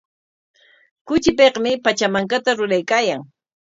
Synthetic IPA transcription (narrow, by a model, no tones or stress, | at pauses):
kʊt͡ʃɪpeqmɪpat͡ʃamaŋkat̪aɾʊɾajkaːjaŋ